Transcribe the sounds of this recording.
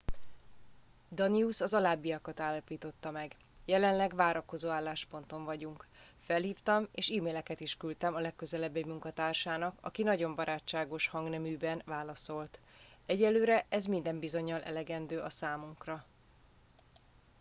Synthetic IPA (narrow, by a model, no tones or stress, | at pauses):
d̪ɒniusɒzɒlaːbːijɒkɒt̪aːlːɒpiːt̪o̞t̪ːɒmɛɡ | jɛlɛnlɛɡʋaːɾɒko̞zoːaːlːaːʃpo̞n̪t̪o̞ɱvɒɟuŋk | fɛlhiːft̪ɒmeːʃiːmeːlɛkɛt̪iʃkylt̪ɛmɒlɛkːø̞zɛlɛbːemuŋkɒt̪aːrʃaːnɒkɒ̰kinɒɟo̞mbɒɾʔaːt͡ʃːaːɡo̞ʃhɒŋɡnɛmyːbɛnvaːlɒso̞lt̪ | ɛɟɛlːøːɾɛʔɛzmin̪d̪ɛmbizo̞ɲːɒlʔɛ̰lɛɡɛnd̪øːʔɒsaːmuŋkrɒ